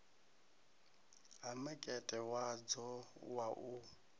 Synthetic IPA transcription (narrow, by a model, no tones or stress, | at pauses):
amakʼɛtʼɛwad͡zɔwaʔu